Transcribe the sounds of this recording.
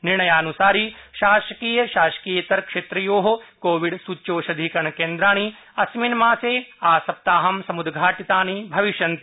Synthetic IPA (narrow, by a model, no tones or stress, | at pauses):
niɾɳɐjaːnusaːɾiʃaːʃɐkiːjɐʃaːʃɐ̥kiːjɐt̪ɐɾkʂeːt̪ɾɐjoːɦokoːʋiɖsuːt͡ʃːoːʃɐd̪ʱiːkɐɳɐkeːnd̪ɾaːɳ̃i | ɐsminmaːseːaːsɐp̚t̪aːɦɐmsɐmud̪ɡʱaːʈit̪aːnibʱɐʋiʃjɐnt̪i